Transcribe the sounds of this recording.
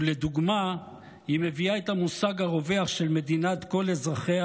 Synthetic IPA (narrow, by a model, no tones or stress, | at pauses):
led̪uɡma | hime̞viaet̪hamusaɡhaʁo̞ve̞aχʃelme̞d̪inat̪ko̞lezʁaχea